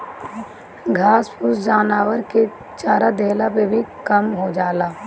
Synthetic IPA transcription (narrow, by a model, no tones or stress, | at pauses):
ɡʱaːspusd͡ʒaːnaːwəɾke | t͡ʃaːɾad̪eːlapebʱikɐmɦod͡ʒaːlaː